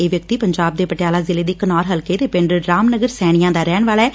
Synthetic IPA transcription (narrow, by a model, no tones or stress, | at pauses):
eːʋjək̚t̪iːpəɲd͡ʒaːb̚d̪eːpəʈɪjaːlaːzɪleːd̪iːkənɔːɾɦəlkeːd̪eːpɪɳɖəɾaːmnəɡəɾsɛːɽ̃ɪjãːd̪aːɾɛːɳʋaːɭɛː